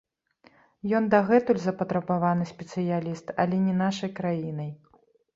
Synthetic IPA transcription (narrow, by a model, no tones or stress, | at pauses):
jɔnd̪aɣɛt̪ulʲzɐpɐt̪ɾɐbavanɨsʲpʲɛt̪sɨjalʲist̪ɐ̰lʲɛnʲɛnaʂɐjkɾajinɐj